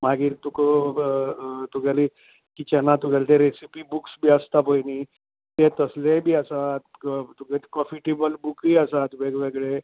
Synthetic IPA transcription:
maɡiːɾt̪ukə | t̪uɡʱjali | kit͡ɕanat̪uɡʱalit̪eɾesipibuksbʱiːəst̪apəjniː | t̪et̪əslebʱiːəsat̪uɡet̪kɔ̃fiʈebəlbukiəsat̪ubeɡʋeɡɭe

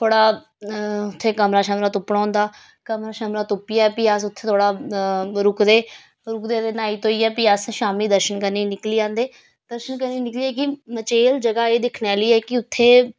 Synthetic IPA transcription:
t̪ʰoːɽaː | ʊt̪ʰːeːkəmɾaːʃəmɾaːt̪ʊpɽãːnd̪aː | kəmɾaːʃəmɾaːt̪ʊpːɪaːɛpijaːsʊt̪ʰːeːt̪ʰoːɽaːɾʊkd̪eː | ɾʊkd̪eːd̪eːnaːiːt̪õːiːɛːpɪjaːsʃaːmiːd̪əɾʃənkəɾniːnɪkliːãːnd̪eː | d̪əɾʃənkəɾniːnɪkliːɛːkɪmət͡ʃeːld͡ʒəɡaːeːd̪ɪkʰneːliːɛːkɪʊt̪ʰːeː

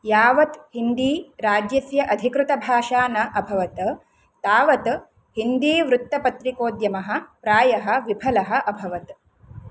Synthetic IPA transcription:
jaːʋɐt̪hind̪iːɾaːd͡ʒjɐsjɐʔɐd̪ʱikɾut̪ɐbʱaːʃaːnɐʔɐbʱɐʋɐt̪ | t̪aːʋɐt̪ | hind̪iːʋɾut̪ːɐpɐt̪ɾikoːd̪jɐmɐɦɐ̆pɾaːjɐɦɐ̆ʋibʱɐlɐɦɐ̆ʔɐbʱɐʋɐt̪

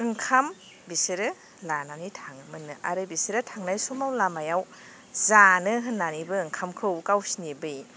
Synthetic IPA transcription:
ɯŋkʰam | bisiɾɯ | lananitʰaŋmɯnɯʔaɾɯbisiɾɯtʰaŋnajsumawlamajaw | zanɯɦɯnːanibɯɯŋkʰamkʰɯwkawsinibɯj

